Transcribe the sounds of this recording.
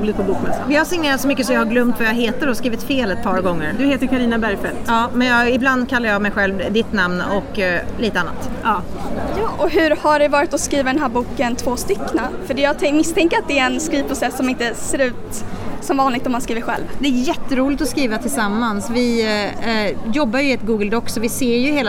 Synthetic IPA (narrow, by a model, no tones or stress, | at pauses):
lɪt̪pʰɔbuːkmɛsa̰vɪhaʂɪŋneːɾat̪sɔmʏkːəsɔmjahaɾɡlœmt̪vajaɦeːt̪əɖɔskɾiːvɪt̪feːlɛt̪̚pʰɑːɾɡɔŋːəɾd̪ɵheːt̪əɾkʰaɾiːnabæɾjfɛlt̪ɑːmɛnjɑɪbland̪kʰalːaɾjɑmɛjɧɛlvd̪ɪt̪namnɔkːliːt̪əanːa̰t̪ɑjɑːʔɔɦʉ̟ɾhaɖɛvɑːɾɪt̪ɔskɾiːvad̪ɛnɦæːɾbuːkənt̪ʰvoːst̪ʏkːnafœɖɛjɑt̪ʰɛmɪst̪ʰɛŋkəɾat̪̚d̪ɛæɾɛnskɾiːvpʰɾʊsɛsːɔmɪnt̪əseːɾʉ̟ːt̪sɔmvɑːnlɪɡ̚t̪ɔmːanskɾiːvəɾɧɛ̰lvd̪ɛæjɛt̪ʰːəɾuːlɪt̪ɔskɾiːvat̪ʰɪlsamːansvɪ | jɔbːajɵɪɛt̪ɡuːɡəld̪ɔksɔvɪseːɾjɵheːl